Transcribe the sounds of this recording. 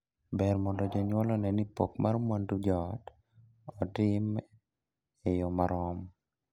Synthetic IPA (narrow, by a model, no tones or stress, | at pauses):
bɛrmɔndɔd͡ʒɔɲwɔlɔnɛnipɔkmarmwandud͡ʒɔt | ɔtɪm | ejɔmaɾɔm